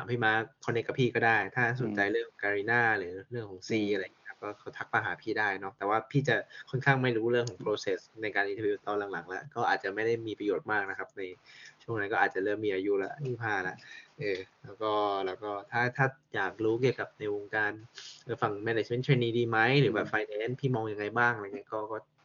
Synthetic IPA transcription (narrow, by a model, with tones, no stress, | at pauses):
a˨˦mpʰiː˥˩maː˦˥˩kʰɔː˧ne˦˥ka˧pʰiː˥˩kɔː˥˩daː˥˩jt̪ʰaː˥˩so˨˩˦nt͡ɕa˧jɾɯ˥˩əŋ˨˩˦kaː˧ɾiː˧˥naː˥˩ɾɯː˩˦ɾɯ˥˩əŋkʰɔː˩˦ŋsiː˧ʔa˧ɾa˧jŋiː˧˦˥kʰa˦˥p̚kɔː˥˩kʰa˦˥˩t̪ʰa˦˥k̚ma˧ɦaː˩˦pʰiː˥˩daː˥˩jnɔ˦˥t̪ɛː˨˩waː˥˩pʰiː˥˩t͡ɕa˨˩kʰɔ˥nkʰaː˥˩ŋma˥˩jɾuː˦˥ɾɯ˥˩əŋkʰɔː˩˦pʰɾoː˧se˨˩sna˧jkaː˧nʔʰi˧˥˩juː˨˧˩t̪ːɔː˧nla˨˩˦ŋla˩˦ŋla̰˧˥ʔkɔː˥˩ʔaː˨˩t̪̚t͡ɕa˨˩ma˥˩jda˥˩jmiː˧pɾa˧joː˨˩t̪̚maː˥˩k̚na˦˥kʰa˦˥p̚na˧jt͡ɕʰu˥˩əŋna˧nkɔː˥˩ʔaː˨˩t̪̚t͡ɕa˨˩lɤː˥˩mːiː˧ʔaː˧ju˦˥la̰˧˩ʔtiː˥˩pʰaː˧˩la̰˨˦ʔʔɤː˨˧˩lɛː˦˥wkɔː˥˩lɛː˦˥wkɔː˥˩t̪ʰaː˥˩t̪ʰaː˥˩jaː˨˩k̚ɾuː˦˥ki˨˩əka˨˩p̚na˧jwo˧ŋkaː˧nʔɤː˧˩fa˨˩ŋmɛ˧ne˨˩t͡ɕme˦˥˩nt̪ʰeː˧niː˧diː˧ma˦˥jɾɯː˩˦bɛː˨˩p̚faː˧jnɛː˨˦˥npʰiː˥˩mɔː˧ŋja˧ŋːa˧jbaː˥˩ŋʔa˧ɾa˧jŋi˦˥kɔː˥˩kɔː˥˩